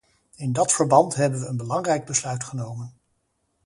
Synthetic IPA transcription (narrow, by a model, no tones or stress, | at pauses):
ɪndɑtfəɹbɑntɦɛbənʋəənbəlɑŋrɛjɡ̚bəslœɥtχənowmən